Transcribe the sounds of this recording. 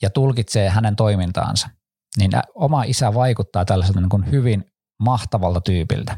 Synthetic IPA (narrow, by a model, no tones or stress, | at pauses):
jɑt̪ulkit̪seːɦænent̪o̞imint̪ɑ̰ːnsɑ̥ | nin̰omɑisæʋɑikut̪ːɑːt̪ælːæselt̪ɑniːŋkunhyʋin | mɑht̪ɑʋɑlt̪ɑt̪yːpḭlt̪æ̥